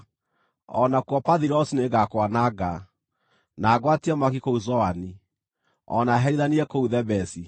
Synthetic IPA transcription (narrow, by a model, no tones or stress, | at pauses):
ɔnakwɔpaðiɾɔsineɡakwanaɡa | naːɡwatiɛmakikouzɔani | ɔ̰naɦɛɾiðaniɾɛkouðɛbɛsi